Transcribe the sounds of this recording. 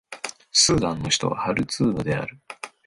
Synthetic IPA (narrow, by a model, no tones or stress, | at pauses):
sɨːd̪ãnːo̞çi̥t̪o̞̰βa̰haɾɯ̟t͡sɨːnod̪e̞a̰ɾɯ̟